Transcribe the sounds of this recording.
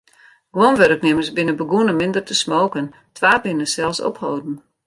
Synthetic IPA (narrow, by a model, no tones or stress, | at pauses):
ɡ̥wonʋørəknɪməsbɪnəbəɡunəmɪndərtəsmoːkən | tʰʋaːbɪnəsɛlˠsɔ̰phowdn̩